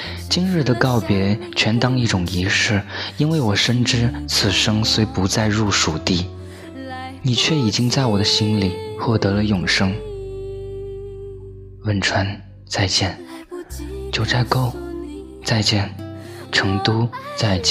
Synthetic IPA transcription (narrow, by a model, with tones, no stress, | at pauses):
t͡ɕi˥nɻɻ̩˥˩d̪ə˩kɑ˥˩ʊpjɛ˧˥ | t͡ɕʰɥɛ˧˥nt̪ɑ˥ŋi˥˩ʈ͡ʂʊ˨˩ŋi˧˥ʂɻ̩˥˩i˥nwe˥˩ɪwɔ˨˩ʂə˥nʈ͡ʂɻ̩˥t͡sʰɹ̩˨˩ʂɤ˥ŋswe˧˥ɪpu˧˥t͡sa˥˧ɪɻu˥˩ʂu˨˩t̪i˥˩ | ni˨˩t͡ɕʰɥɛ˥˩i˨˩t͡ɕi˥ŋt͡sa˥˩ɪwɔ˨˩d̪ə˦ɕi˥nli˨˩˦xwɔ˥˩t̪ɤ˧˥lə˧jʊ˨˩ŋʂɤ˥ŋ | wə˧˥nʈ͡ʂʰwa˧˥n | t͡sa˥˧ɪt͡ɕjɛ˥˩n | t͡ɕjo˥˧ʊt͡sa˥˩ɪko˥˩ʊ | t͡sa˥˧ɪt͡ɕjɛ˥˩nʈ͡ʂʰɤ˧˥ŋt̪u˥t͡sa˥˧ɪt͡ɕ